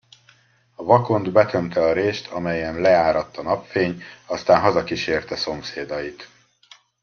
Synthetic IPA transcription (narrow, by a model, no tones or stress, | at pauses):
ɒvɒko̞nd̪bɛt̪ø̞mt̪ɛɒɾeːʃt̪ʰɒmɛjɛmlɛaːɾɒt̪ːɒnɒpfeːɲɒst̪aːnɦɒzɒkiʃeːrt̪ɛso̞mseːd̪ɒjit̪